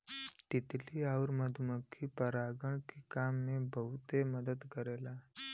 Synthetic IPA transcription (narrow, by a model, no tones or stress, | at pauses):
t̪it̪liːaʋɾməd̪ʱuməkʰːiːpəɾaɡəɳkikamːebəɦut̪eməd̪əd̪kəɾela